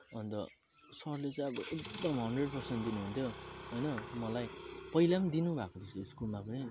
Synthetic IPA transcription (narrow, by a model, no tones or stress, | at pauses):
ʌnt̪ʌ̰ | sʌɾlet͡sãj̃ʌbʌʔek̚d̪ʌmɦʌnɖreɖpʌrsent̪d̪inuɦunt̪ʰjoɦʌjnʌmʌlajpʌilamd̪inubʱakod̪isoskulmapʌni